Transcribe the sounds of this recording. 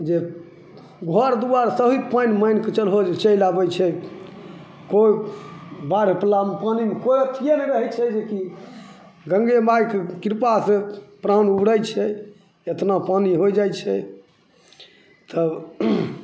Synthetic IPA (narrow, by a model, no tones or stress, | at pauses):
d͡ʒe | ɡʱɔɾd̪uwaɾsəɦit̪panməjnket͡ʃəlɦod͡ʒet͡ʃəilabɛt͡ʃʰɛ | koj | baɾeplamepanimekojət̪ʰijenɛɾəɦɛt͡ʃʰɛd͡ʒeki | ɡəŋɡemajkekiɾpasẽpɾanubɽəjt͡ʃʰɛ | et̪napaniɦojd͡ʒajt͡ʃʰɛ | t̪ə